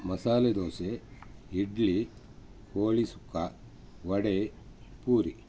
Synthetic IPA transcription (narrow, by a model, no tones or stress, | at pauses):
mɐsaːled̪oːseiɖɭi | koːɭisu̥kːa | ʋɐɽe | puːɾi